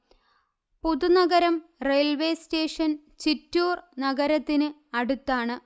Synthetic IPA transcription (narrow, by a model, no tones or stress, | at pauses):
puðunɐɣɐɾɐmrejlʋe̞ːste̞ːʂɐn | t͡ɕitːuːrnɐɡɐɾɐt̪ːinɨɐɽut̪ːaːɳɨ